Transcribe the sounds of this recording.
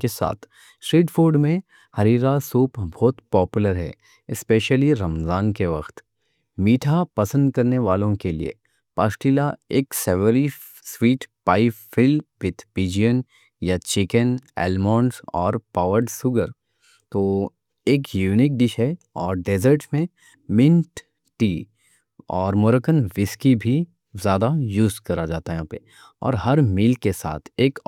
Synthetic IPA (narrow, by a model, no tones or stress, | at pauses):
kesa̰ːt̪ʰ | sʈɾiːʈfʰoːɾɖmẽ | hɐɾiːɾasuːpbʱɔːt̪pɔːpjʊləɾɦɛ̰ | ɪspeːʃəliɾɐmzaːnkeʋɐxt̪ | miːʈʰapɐsə̃nd̪̚kɐɾneʋaːlõkelḭḛ | paːsʈiːlaeːksɛʋəɾi | swiːʈpaːifɪlʋɪd̪ʰpiːd͡ʒijən | jat͡ʃɪkənɛ̰ːlmɔːnsɔːɾpaːʋəɾɖsʊɡəɾ | t̪oː | eːkjuːnɪk̚ɖɪʃɛ | ɔːɾɖeːzəɾʈmẽ | mɪ̃nʈ | ʈiː | ɔːɾmʊɾəkənʋɪskibʱi | zjaːd̪ajuːzkɐɾad͡ʒaːt̪aɦɛpḛ | ɔ̰ːɾɦɐɾmiːlkesa̰ːt̪ʰeːk